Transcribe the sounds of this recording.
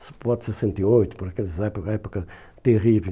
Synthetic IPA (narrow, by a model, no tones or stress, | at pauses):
sɨ̥pɔðsesẽnt̪iojt̪u̥pɔɾɐkelˠzɛpukːɛpukɐ | t̪eʁive